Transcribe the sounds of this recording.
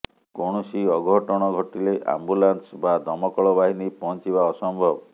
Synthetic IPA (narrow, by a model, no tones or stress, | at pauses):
koɽ̃usiɔɡʱɔɦʈɔɽ̃ɔɡʱɔʈileʔa̰mbulansbad̪ɔmɔkɔɭɔbaɦinipɔnt͡ʃiβaɔsɔmbʱɔbɔ